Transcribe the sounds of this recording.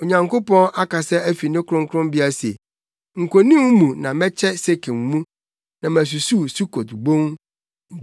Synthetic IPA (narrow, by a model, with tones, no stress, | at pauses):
o˨ɲã˨ŋko˦pɔ̃˦ʔa˦ka˨sɛ˦æ˦fi˨nɪ̃˦kʰʊ˦ɾʊ̃˦ŋkʰʊ˦ɾʊ̃˦mbɪ˦a˦sḛ˨ | ŋ̩˨kʰo˨nĩ˦m˦mũ˨nã˨mɛ̃˦t͡ɕʰɛ˦se˦kʰẽ˨m˨mũ˦ | nã˨mæ̃˨s̬u˨su˦su˦kʰo˨tbõ˦ŋ˦